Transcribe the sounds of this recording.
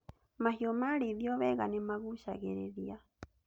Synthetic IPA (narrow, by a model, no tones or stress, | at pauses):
maɦiɔmaːɾiðiɔβɛɣanemaɣuʃaɣɛɾɛ̰ðia